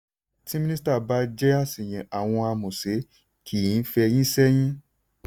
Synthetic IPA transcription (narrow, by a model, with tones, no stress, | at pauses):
tĩ˦mĩ˦nĩ˦sta˦˨ba˦d͡ʒɛ˦a˦˨si˨j̃ĩ˨a˨w̃ɔ̃˧a˧mũ˨se˨˦ | kʰi˨ĩ˨˦fɛ˧jĩ˦sɛ˦j̃ĩ˦